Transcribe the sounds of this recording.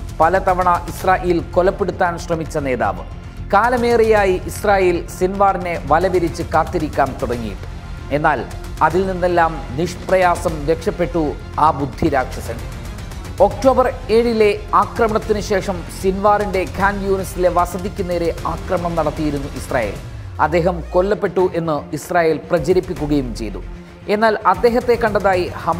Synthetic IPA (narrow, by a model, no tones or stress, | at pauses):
pɐlɐt̪ɐʋɐɳɐʔisraːjʔeːlko̞lɐpːeɽut̪ːaːnɕrɐmit͡ɕːɐne̞ːða̰ːʋɨ̰ | kaːlɐme̞ːrijaːjiʔisraːjeːlsinʋaːrine̞ʋɐlɐʋiɾit͡ɕːɨkaːt̪ːiɾikʲːaːnt̪uɽɐŋːijḭʈːɨ̥ | e̞nːaːl | ɐðilninːe̞lːaːmniʂprɐjaːsɐmde̞kʂɐpːe̞ʈːu | aːbud̪ʱːiɾaːkʂɐsɐɳɖɨ | o̞k̚ʈo̞ːbɐre̞ːɻile̞aːkrɐmɐɳɐt̪ːinɨɕe̞ːʂɐmsinʋaːrinde̞kʰaːnjuːnɐsile̞ʋɐsɐðikʲːune̞ːɾe̞aːkrɐmɐɳɐmnɐɽɐt̪ːijiɾunːuʔisra̰ːjḛːl | ɐd̪ːe̞ːɦɐmko̞lːɐpːe̞ʈːuʔe̞nːɨisraːje̞ːlprɐt͡ɕɐɾipːikʲːuɣɐjumt͡ɕe̞jt̪ṵ | e̞nːaːlɐd̪ːe̞ːɦɐt̪ːe̞kːɐɳɖɐðaːjihɐ